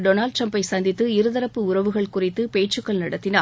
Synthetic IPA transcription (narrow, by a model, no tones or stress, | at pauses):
ɖonaːlɖ̚ʈ̪rɐmpɐɪsɐnd̪ɪt̪ːɯɪɾɯðɐɾɐpːɯʊrɐʋɯɣɐɭkʊrɪt̪ːɯpeːʈt͡ʃɯkːɐɭnɐɽɐt̪ːɪna̰ː